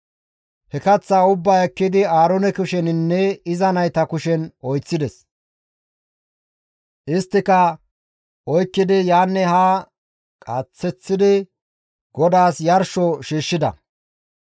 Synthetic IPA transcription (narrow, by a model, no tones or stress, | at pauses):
hɛkɐt͡sːaːʊbːaːɛkːɪd̪ɪaːɾɔnɛkʊʃɛnɪnːɛɪzɐnɐjt̪ɐkʊʃɛnɔjt͡sːɪd̪ɛs | ʔɪst̪ːɪkɐ | ʔɔjkːɪd̪ɪjaːnːɛhaː | kʼɐt͡sːɛt͡sːɪd̪ɪ | ɡ̥ɔd̪aːsjɐɾʃɔʃiːʃːɪd̪ɐ̰